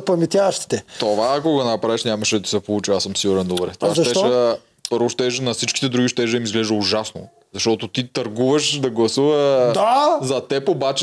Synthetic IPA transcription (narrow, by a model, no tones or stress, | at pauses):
pɐmɛt̪ʲjavɐʃt̪i̥t̪ɛt̪ovaːkoɡɐnɐpɾavɛʃnʲamɐʃɛd̪ɐsɛpolˠut͡ʃiasəmsiɡuɾɛnd̪obɾɛ̰t̪oaʃʃɛɐ | ɾoʃt̪ɛʒnɐsit͡ʃki̥t̪ɛd̪ɾuɡiʃt̪ɛʒd̪əimizɡlɛʒd̪əuʒasno̰ | zɐʃt̪ɔt̪ot̪it̪ɐɾɡuvəʃd̪ɐɡlˠɐsuvəd̪azɐt̪ɛpobat͡ʃ